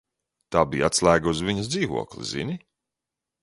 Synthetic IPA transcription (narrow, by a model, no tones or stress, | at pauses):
t̪aːbijat̪slˠæːɡauzviɲɐsd̪ziːvṵɔklˠḭzḭnʲi